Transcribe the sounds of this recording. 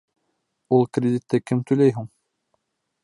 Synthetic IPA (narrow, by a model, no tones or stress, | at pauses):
ulˠkrʲɪd̪ʲit̪ːɘkɘmt̪ɵ̆jlæjɦuɴ